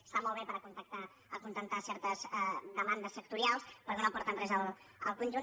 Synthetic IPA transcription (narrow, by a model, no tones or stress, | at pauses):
st̪amɔlˠβepəɾəkunt̪ək̚t̪a | əkunt̪ənt̪asɛɾt̪əzd̪əmand̪əsːək̚t̪uɾialˠspəɾkɛnopɔɾt̪ənrɛzəlˠəlˠkunʲʒu